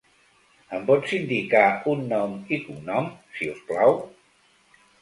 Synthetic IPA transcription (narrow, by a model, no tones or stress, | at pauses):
əmpɔt̪sind̪ikaunːɔmikuŋnɔmsiusklaw